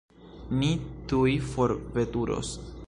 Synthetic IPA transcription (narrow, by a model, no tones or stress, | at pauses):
nitujfo̞ɾve̞tuɾo̰s